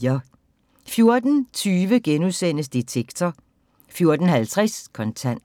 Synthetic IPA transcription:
fjo̝ɐd̥n̩t͡sʰyːʋəɡ̥enuðˠsen̰əsd̥it͡sʰeɡ̥t͡sʰɐ | fjo̝ɐd̥n̩hælt͡sʰʁɛskʰɒ̽nt͡sʰæn̰d

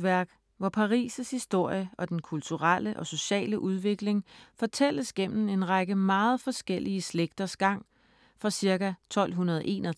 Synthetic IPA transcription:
ʋæɐ̰ɡ̥ | ʋɒpʰɑ̈ʁḭːsəshisd̥o̝ɐ̰jəʔɒ̽d̥enkʰult͡sʰuʁɑləʔɒ̽so̝ɕɛ̰ːləʔuð̞ˠʋe̝ɡ̥le̝ŋfɒ̽t͡sʰel̰əsɡ̥em̰m̩e̝nʁɑɡ̥əmɑ̈ːð̞̩ˠfɒ̽sɡ̥elʔiəsleɡ̥̚d̥ɐsɡ̥ɑ̈ŋ̰ | fʁɑ̈siɐɡæt͡sʰɒ̽l̰ɦunɐð̞ˠʔe̝̰ːnɒ

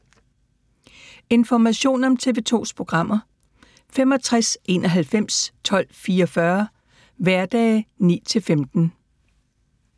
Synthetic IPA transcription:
e̝nfɒmæɕo̝̰ːnɒ̽mt͡sʰe̝ːʋe̝ːt͡sʰo̝̰ːspʰʁo̝ɡ̥ʁɑ̈m̰ɐ | fem̰ɒ̽t͡sʰʁasʔe̝ːnʔɒ̽ɦælfem̰st͡sʰɒ̽l̰fiːɒfɶɐ | ʋæɐd̥ɛːnḭːt͡sʰe̝lfemd̥n̩

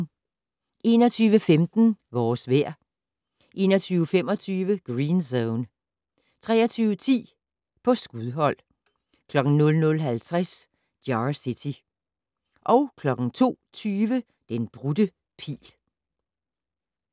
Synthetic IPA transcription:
e̝ːnɒ̽t͡sʰyːʋəfemd̥n̩ʋɒːsʋæɐ̰ | ʔe̝̰ːnɒt͡sʰyːʊəfemɒ̽t͡sʰyːʋəɡ̥ʁiːnsoʊn | t͡sʰʁɛ̰ːɐt͡sʰyːʋət͡sʰḭː | pʰɒ̽sɡ̥uðˠɦɒ̽l̰ | kʰlɒ̽ɡ̥n̩nɔ̽lnɔ̽lɦælt͡sʰʁas | d̥jɑsit͡sʰi | ʔɒ̽ʊkʰlɒ̽ɡ̥n̩t͡sʰo̝̰ːt͡sʰyːʋə | d̥enb̥ʁud̥ə | pʰḭːl

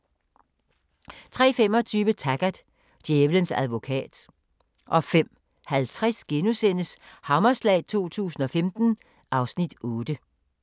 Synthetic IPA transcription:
t͡sʰʁɛ̰ːfem̰ɒ̽t͡sʰyːʋət͡sʰæɡ̥æd̥ | d̥jeːʋlənsæð̞ˠʋo̝kʰɛ̰ːd̥ | ʔɒ̽fem̰ | hælt͡sʰʁasɡ̥enusenəshɑ̈mɐslɛ̰ɪt͡sʰo̝̰ːt͡sʰṵːsn̩ɒ̽femd̥n̩ | ʔɑ̈ʊsnid̥ɔːd̥ə

